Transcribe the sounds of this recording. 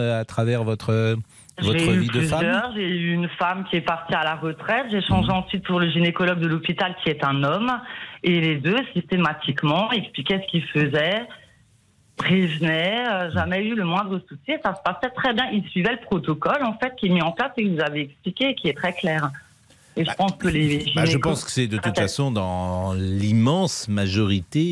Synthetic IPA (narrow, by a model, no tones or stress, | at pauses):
at̪χavɛʁvɔt̪χə | ʒvɔeyipyzjœʁʒeyːnfamkʲiɛpaʁt̪ialaʁət̪χɛt̪ʒeʃɑ̃ʒeɑ̃sɥit̪̚puʁləʒinekɔlɔɡ̚d̪əlɔpit̪alkʲiɛt̪ɛ̃nɔmeled̪øsist̪emat̪ʰikmɑ̃ɛksplikʲɛsə̥kʲilfəzɛ | pχevnɛøʒamɛyləmwɛ̃d̪ʁəsusjiesasə̥pasɛt̪χɛbjɛ̃ʔilsɥivɛləpχɔt̪ɔkɔlɑ̃fɛt̪̚kʲiɛmiɑ̃plasekəvuzaveɛksplikʲeːkʲiɛt̪χɛklɛːʁ | eʒəpɑ̃skəleʒineʒəkpɑ̃skə̥sɛd̪ət̪ut̪fasɔ̃d̪ɑ̃limɑ̃smaʒɔʁit̪e